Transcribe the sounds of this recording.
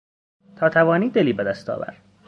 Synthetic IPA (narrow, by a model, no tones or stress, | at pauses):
t̪ʰɒːt̪ʰævɒːniːd̪eliːbed̪æst̪ʰɒ̰ːvæ̰ɾ